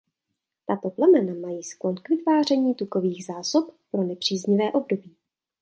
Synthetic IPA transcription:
t̪at̪o̞plɛmɛnamajiːsklonkvɪt̪vaːr̝ɛɲiːt̪uko̞viːɣzaːso̞ppɾo̞nɛpr̝̥iːzɲɪvɛːʔo̞bdo̞biː

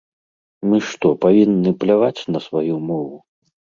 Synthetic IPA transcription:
mɨʂt̪ɔpavʲinːɨplʲavat͡sʲnɐsvajumɔvu

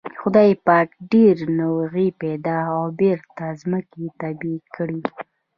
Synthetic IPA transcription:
xʊd̪ɑjpaʈɖeɾnawɣipɛd̪ɑawbeɾt̪azməket̪abikɽi

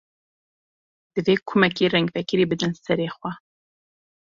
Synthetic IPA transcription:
d̪̥ɨveːkʰʊmɛkiːrɛŋɡvɛkɨɾiːbɨd̪ɨnsɛɾeːxwʷɛ

